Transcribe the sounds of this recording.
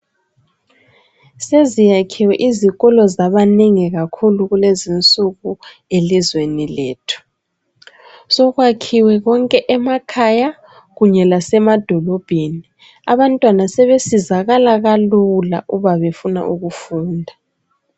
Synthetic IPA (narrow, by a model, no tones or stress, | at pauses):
sezijakʰiwɛʔiziɣɔlɔzaβaneŋiɣakʰuluɣulezint͡sʼuɣu | elizwenileːtʰu̥ | sɔɣwakʰiwɛɣɔŋkʼɛʔɛmakʰaja | ɣuɲɛlasɛmad̥ʱɔlɔb̥ʱeni | a̰βantʼwanasɛβesizaɣalaɣalula̰ʔuβaβefuna̰ʔuɣufuːndʱa